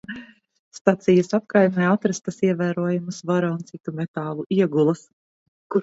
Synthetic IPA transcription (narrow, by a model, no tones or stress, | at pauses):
st̪at̪sijɐsap̚kajmɛat̪ɾast̪asiɛvæːɾuɔjumusvaɾaunt̪sit̪umɛt̪aːlˠuʔiɛɡulˠɐs | ku